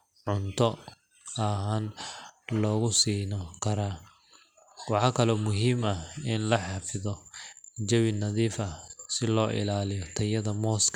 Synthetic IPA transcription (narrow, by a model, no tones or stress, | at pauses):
ʕʊnt̪ʰɔ | ɐɦaːnlɔːɣʊsiːnɔkʰɐɾaː | wɑħɑːkʰɐlɔmʊɦiːmɐɪnlɐħɑfɪðɔd͡ʒɐwɪnɐðiːfɐsɪlɔːʔɪ̰laːlɪjɔt̪ʰɐjɐðɐmɔːskʰ